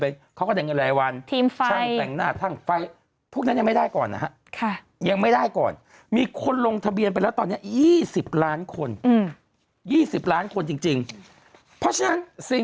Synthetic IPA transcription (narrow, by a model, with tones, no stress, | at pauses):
pe˧nkʰa˦˥wkɔ˥˩dɛ˨˩ŋɤ˧la˨˩˦jwa˧nt̪ʰiː˧mft͡ɕa˧a˥˧˩ɛ˨˩ŋnaː˥˩t̪ʰa˥˩ŋfa˧j | pʰu˥˩k̚na˦˥jma˥˩jda˥˩jkɔː˨˩nːa̰˦˥ɦa˦˥ʔkʰa˥˩ | ja˧ŋma˥˩jdaː˥˩jkɔ̰ː˨˩n | miː˧kʰo˧nlo˧ŋt̪ʰa˧bi˧ənpa˧lɛː˦˥wt̪ɔː˧nːi˦˥ɐjiː˥˩si˨˩p̚laː˦˥nkʰo˧n˧˩ | jiː˥˩si˨˩p̚laː˦˥nkʰo˧nt͡ɕi˧ŋt͡ɕi˧ŋ | pʰɾɔ˦˥t͡ɕʰa˧na˦˥nsi˨˩